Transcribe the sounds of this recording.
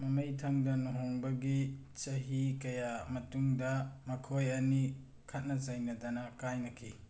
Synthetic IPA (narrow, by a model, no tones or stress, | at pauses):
mɐmɐjtʰɐŋdɐnuɦoŋbɐɡit͡ʃɐɦikɐjamɐtuŋdɐmɐkʰojɐni | kʰɐt̚nɐt͡ʃɐjnɐdɐnɐkajnɐkʰi